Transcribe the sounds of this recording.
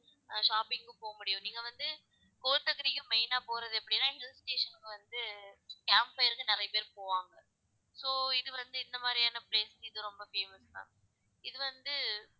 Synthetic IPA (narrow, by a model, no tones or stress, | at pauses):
ʂaːpɪŋɡɯpoːɣɐmʊɽɪjʊ̃niːŋɡɐʋɐnd̪ɯ | koːɾɯt̪ːɐkːɐɾɪkːɯmeɪnaːpoːɾɐðɯɛpːɐɽɪnːãːɦɪlsʈeːʂɐnkːɯʋɐnd̪ɯkaːmpfɐjɾɯkːɯnɪɾɐjɐpeːɾpoːʋaːŋɡɐ | soːɪðɯʋɐnd̪ɯɪnd̪ɐmaːd̪ɾɪjaːnɐpleːsɪðɯɾɔmbɐfeːmɐst̪ã̰ː | ɪðɯʋɐnd̪ɯ